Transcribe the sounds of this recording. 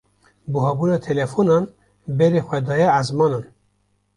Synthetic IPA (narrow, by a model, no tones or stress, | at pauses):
buɦɑːbuːnɑːt̪ʰɛlɛfonɑːn | bɛɾeːxʷɛd̪ɑːjɛazmɑːnɑːn